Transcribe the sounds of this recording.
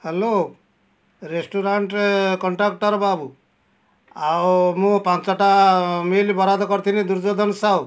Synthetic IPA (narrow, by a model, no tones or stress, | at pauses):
helo | ɾesʈuɾaɳʈkɔɳʈɾak̚ʈɔɾbabu | awmũpãnt͡ʃɔʈamelbɔɾad̪ɔkɔɾt̪ʰinid̪uɾd͡ʒɔd̪ʱɔnsaw